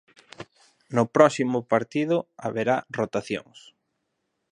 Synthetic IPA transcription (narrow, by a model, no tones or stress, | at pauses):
nʊpɾɔsimʊpaɾt̪iðʊa̰βeɾarot̪aθjo̰ŋs